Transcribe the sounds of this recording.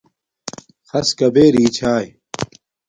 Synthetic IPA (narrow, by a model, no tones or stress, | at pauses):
xɐskɐbeːɾiːt͡ɕʰaːj